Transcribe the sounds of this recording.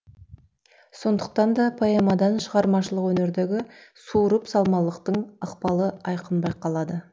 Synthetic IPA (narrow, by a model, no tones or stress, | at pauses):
so̞nd̪əq̚t̪ɑnd̪ɑpʰɑjɑmɑd̪ɑnʃəʁɑɾmɑʃəlˠəqwɵne̞ɾd̪e̞ɡʲɪsuɾəpsɑlˠmɑlˠəqt̪əɴɑqpɑlˠəɑjqənbɑjqʰɑlˠɑd̪ə